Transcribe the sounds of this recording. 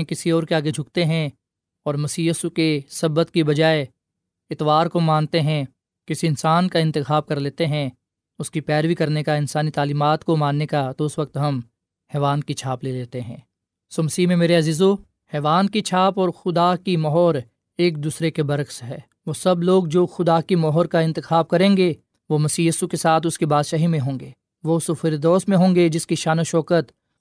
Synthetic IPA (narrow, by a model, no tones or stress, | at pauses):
ẽkɪsiɔːɾkeaːɡed͡ʒʱʊkt̪eɦɛ̃ | ɔːɾmɐsiːjəːsukesɐbət̪kibɐd͡ʒaːe | ɪt̪ʋaːɾkomãːnt̪eɦɛ̃ | kɪsiɪnsaːnkaɪ̃nt̪ɪxaːb̚kɐɾleːt̪eɦɛ̃ | ʊskipɛːɾʋikɐɾnekaɪnsaːnit̪aːliːmaːt̪komãːnːekat̪oʊsʋɐk̚t̪ɦɐm | hɛːʋaːnkit͡ʃʰaːpleːleːt̪eɦɛ̃ː | soːmɐsiːmẽmeːɾeɐziːzo | hɛːʋaːnkit͡ʃʰaːpɔːɾxʊd̪akimɔɦɔːɾ | eːk̚d̪uːsɾekebɐɾəkseɦɛː | ʋoːsɐbloːɡd͡ʒoːxʊd̪akimɔːɦɔːɾkaɪ̃nt̪ɪxaːb̚kɐɾẽːŋɡe | ʋomɐsiːjiːsukesaːt̪ʰʊskibaːd̪ʃaːɦimẽɦõːŋɡeː | ʋosʊfɪɾd̪ɔːsmẽɦõːŋɡed͡ʒɪskiʃaːnoʃɔːkət̪